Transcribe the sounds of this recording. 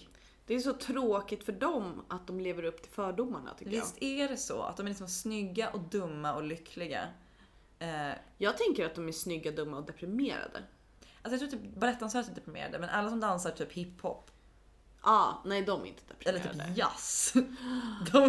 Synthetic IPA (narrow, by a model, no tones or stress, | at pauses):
d̪̥ɛːʂɔt̪ʰɾoːkɪt̪fœɖɔmat̪̚d̪ɔmleːvəɾɵpːt̪ʰɪlfœːɖʊmːa̰ɳa̰t̪ʰʏkəvɪst̪ʰæɖɛsɔ̰a̰t̪̚d̪ɔmælɪksɔmsnʏɡːaʔɔd̪ɵmːaɔlʏkʰlɪɡa̰ | ɛjɑːɡ̚t̪ʰɛŋkəɾat̪̚d̪ɔmæʂnʏɡːad̪ɵmːaɔd̪ɛpɾɪmeːɾa̰d̪ə̰ | alsɔjat̪ɾːt̪yːpbalɛt̪ːansœːɾt̪d̪ɛpɾɪmḛːɾa̰d̪əmɛnʔalːas̬ɔmd̪ansaʈʰyːphɪpːhɔpː | ʔɑːnɛjd̪ɔm̰ɾɪ̰nt̪ʰəd̪̥ɛpɾɛlːəɾyːp̪ːja̰s | d̪ɔ